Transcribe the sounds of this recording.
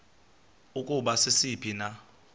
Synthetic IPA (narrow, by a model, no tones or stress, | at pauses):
ukʼuɓasɪsipʰina